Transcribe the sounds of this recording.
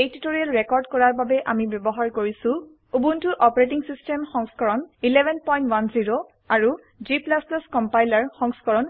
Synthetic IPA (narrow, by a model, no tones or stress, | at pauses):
ejtutoɹijalɹekɔɹdkɔɹaɹbabɛʔamibjɔbɔɦaɹkoɹisʊ̃ | ubuntʊʔɔpɔɹet̬iŋsistɛmxɔŋskɔɹɔnilɛbʱɛnpɔj̃ntwanziɹo | aɹu | ziplaslɔskɔmpajlaɹxɔŋskɔɹɔn